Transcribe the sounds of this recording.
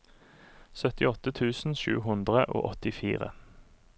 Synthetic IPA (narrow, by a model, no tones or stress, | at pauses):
sœt̪ɪɔt̪ət̪ʰʉːsn̩ʃʉ̰ːɦʊnd̪ʁəʔo̰ːʔɔt̪ɪfḭːʁə̰